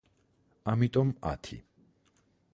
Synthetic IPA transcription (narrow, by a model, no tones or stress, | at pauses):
amit̪ʼɔma̰t̪ʰḭ